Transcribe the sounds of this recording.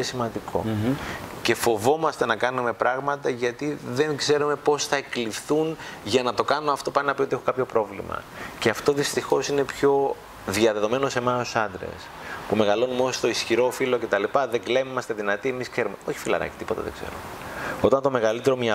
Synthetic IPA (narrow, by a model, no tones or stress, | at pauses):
esimɐnd̪ikʰo̞̰ | ce̞fo̞vo̞mɐst̪e̞nɐkɐnume̞pɾɐɣmɐt̪ɐʝɐt̪iðe̞ŋɡze̞ɾume̞po̞sθɐeklifθunʝɐnɐt̪o̞kɐnoɐft̪o̞pɐninɐpio̞t̪iexokɐpço̞pɾo̞vlḭmɐ̰ceɐft̪o̞ðist̪ixo̞sine̞pço̞ | ðiɐðe̞ðo̞me̞nose̞mɐosɐnd̪ɾe̞̰s | pume̞ɣɐlo̞numost̪o̞isçiɾo̞filo̞ce̞t̪ɐlipɐðeŋɡle̞mɐst̪e̞ðinɐt̪ie̞miskse̞ɾumeo̞çi̥filɐ̰ɾɐ̰ci̥t̪ipo̞t̪ɐ̰ðḛɡ̥ze̞̰ɾumeo̞t̪ɐnt̪o̞me̞ɣɐlit̪e̞ɾo̞mɲɐ